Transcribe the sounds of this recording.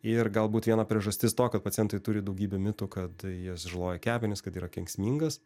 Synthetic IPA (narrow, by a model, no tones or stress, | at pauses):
ɪrɡɐlˠbuːt̪ʋʲiɛnɑpʲɾʲiɛʒɐsʲt̪ʲɪst̪oːkɐt̪̚pɐt̪ʲɪɛnt̪ɐɪt̪ʊɾʲɪd̪ɐʊɡʲiːbʲɛmʲɪt̪ʊkɐt̪jɪsʒɐlˠoːjɛkʲæːbʲɪnʲɪskɐt̪iːɾɐkʲɛŋʲksʲmʲiːŋɡɐs